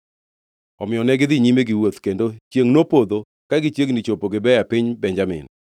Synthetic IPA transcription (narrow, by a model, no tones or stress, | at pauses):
ɔmɪjɔnɛɡɪd̪ɪɲimeɡɪwot̪kendot͡ʃjeŋnopod̪o | kaɡɪt͡ʃeŋnɪt͡ʃopoɡɪbɛjapɪɲbɛɲd͡ʒamɪ̰n